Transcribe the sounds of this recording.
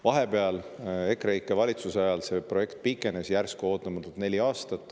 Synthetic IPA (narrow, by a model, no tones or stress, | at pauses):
vɑɦe̞peɑle̞krejkːˑevɑlʲit̪suseɑjɑlse̞pro̞je̞kt̪̚pikːˑe̞nesjærskuo̞ːt̪ːˑɑmɑt̪ːˑult̪nelʲiɑːst̪ɑt̪ːˑ